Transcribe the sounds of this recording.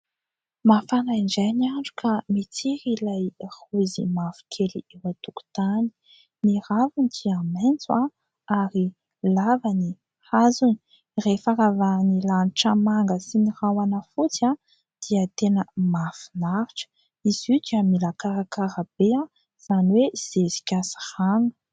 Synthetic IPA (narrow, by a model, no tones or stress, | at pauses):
mafanaiɳd͡ʒajniaɳɖ͡ʐu̥kʰamit͡siɾilajhuzḭmafi̥kʰeliiwat̪uku̥t̪ani̥ | niravunit̪ʰiament͡sua | aɾi | lavani | hazuni̥ | refaɾavanilaniʈ͡ʂəmaŋɡəsinirawanəfut͡sa | d̪̥iət̪enəmafinaɾiʈ͡ʂə̥ | izud͡ʒ̪amilakaɾakaɾəb̥ea | z̥aniwez̥ezi̥kʲasi̥haŋə̥